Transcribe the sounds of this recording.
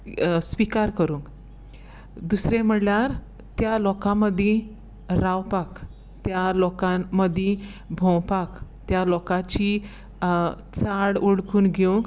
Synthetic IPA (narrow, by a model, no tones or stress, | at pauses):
sʋikaɾkəɾũːŋk | d̪usɾem̤əɽljaɾ | t̪jalɔkãməd̪ʱje | ɾawpak | t̪jalɔkãmːəd̪ʱːjẽbʱɔ̃wpakt̪jalɔkat͡ɕi | t͡saɽuɽkuːnɡʱeũŋk